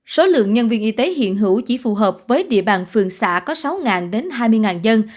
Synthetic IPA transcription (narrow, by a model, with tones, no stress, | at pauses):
so˨˦lɨ̰˧˨əŋɲə˧nvi˧ənʔi˧t̪e˨˦ɦḭ˧˨ənɦɨ̰˧˩wt͡ɕi˧˩fu˨˩ɦəː˨˩p̚vəː˨˦jɗḭ˧˨əɓaː˨˩nfɨ˨˩əŋsa̰ː˧˥kɔ˨˦sa˨˦wŋaː˨˩nɗe˨˦nɦaː˧jmɨ˧əjŋaː˨˩nzə˧n